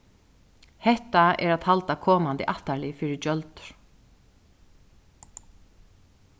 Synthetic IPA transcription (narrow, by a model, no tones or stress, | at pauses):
hɛht̪aɛ̰ɾat̪halt̪akʰɔːmand̪ɪ̰ʔaht̪alɪfɪːɾɪt͡ʃœlt̪ɾ̥